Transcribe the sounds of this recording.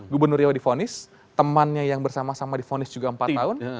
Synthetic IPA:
ɡubərnʊrjawadifonɪs | t̪əmanɲajaŋbərsamasamadifonɪsd͡ʒuɡaəmpat̪ːaʊn

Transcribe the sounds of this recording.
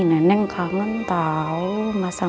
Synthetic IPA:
nanɛŋkʰaːŋɯnt̪aːwmaːsa

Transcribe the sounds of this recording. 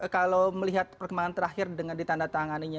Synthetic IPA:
kalawməliɦat̪̚pərkəmbaŋant̪əɾaxɪrdəŋandit̪andat̪aŋaniɲa

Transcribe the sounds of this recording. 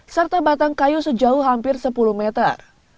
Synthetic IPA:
sərt̪abat̪aŋkajusəd͡ʒauɦampɪrsəpuluhmɛt̪ər

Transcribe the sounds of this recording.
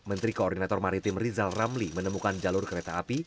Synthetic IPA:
mənt̪ɾikoɔrd̪inat̪ɔrmaɾit̪ɪmrizalramlimənəmukand͡ʒalʊrkəɾet̪aapi

